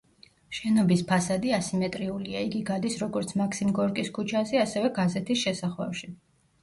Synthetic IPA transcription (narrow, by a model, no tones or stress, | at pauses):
ʃɛnɔbispʰasad̪iasimɛt̪ʼɾiuliaiɡiɡad̪isɾɔɡɔɾt̪sʰmakʰsimɡɔɾkʼiskʰut͡ʃʰasiasɛvɛɡazɛt̪ʰisʃɛsaχwɛ̰fʃi